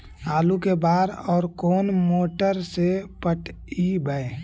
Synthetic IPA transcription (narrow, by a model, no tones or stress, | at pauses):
aːlukebaːɾɔːɾkoːnmoːʈəɾsepəʈ | ibəe